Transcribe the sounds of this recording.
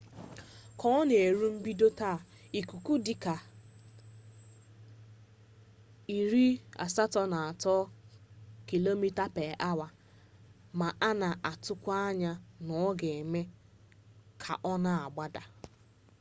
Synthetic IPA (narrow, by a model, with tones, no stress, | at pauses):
kʰɔ˦ɔ˦ne˨e˨ɾu˦m̩˦bi˦do˦ta˦˨ | i˨ku˨ku˦dɪ˨ka˨ | i˨ɾi˦a̰˨sa˦tɔ˦na˨a˨tɔ˦ | ki˨lo˦mi˦ta˦pe˨ʔa˦wa˨ | ma˨ʔa˦na˨ʔa˨tʊ˦kʷa˦ɲa˦nɔ˨˦ɡe˨me˦ | kʰa̰˨ʔɔ˦na˦a˨ɡ͡ba˦da˨